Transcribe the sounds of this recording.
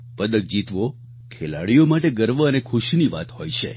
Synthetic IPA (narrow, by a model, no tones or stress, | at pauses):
pəd̪ək̚d͡ʒit̪ʋo | kʰela̰ɭijomaʈeɡəɾʋəənekʰʊʃniʋa̰t̪ɦojt͡ʃʰḛ